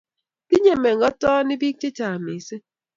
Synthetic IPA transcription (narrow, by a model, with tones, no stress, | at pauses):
ki˦ɲe˨me˨ŋ˨ɡɔ˦tɔː˦ni˦bi˦k̚t͡ʃi˦ta˨mi˨se˦